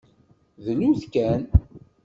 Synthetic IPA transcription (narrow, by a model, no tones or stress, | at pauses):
ðəlumθkæn